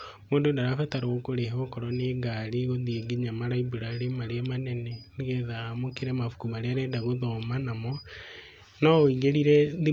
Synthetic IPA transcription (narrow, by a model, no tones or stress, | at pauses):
moːndodaɾafɛtaɾoɣokoɾehokɔɾɔneɡaɾiɣoðieɡeɲamaɾaibuɾaɾemaɾeɛmanɛnɛniɣɛðamokeɾɛmafu̥kumaɾeaɾɛdaɣoðɔmanamɔ | naoiɣeɾiɾɛði